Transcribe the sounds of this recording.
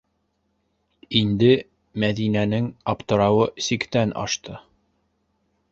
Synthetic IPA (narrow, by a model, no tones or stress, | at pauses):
ind̪ɘ | mæðinænɘŋɑpt̪ɤ̆ɾɑwɤsikt̪ænʔɑ̰ʃt̪ʰɤ